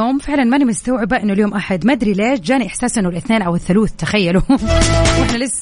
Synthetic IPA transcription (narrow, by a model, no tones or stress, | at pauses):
oːmfɪʕlanmanimɪst̪awʕɪbaʔɪnːʊljoːmʔaħad̪mad̪ɾileːʃd͡ʒaːniʔɪħsaːsʔɪnːʊwɪlʔɪθneːnʔawɪθːʊluːθt̪axajːalu | wʔɪħnalɪsː